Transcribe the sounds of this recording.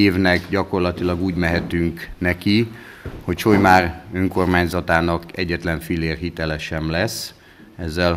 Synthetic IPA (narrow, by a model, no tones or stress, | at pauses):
eːvnɛkɟɒko̞rlɒt̪ilɒɡuːɟmɛɦɛt̪yŋknɛki | ho̞cʃojmaːrøŋko̞rmaːɲzɒt̪aːnɒkɛɟːɛt̪lɛɱfileːrɦit̪ɛlɛʃɛmlɛsː | ɛzːɛl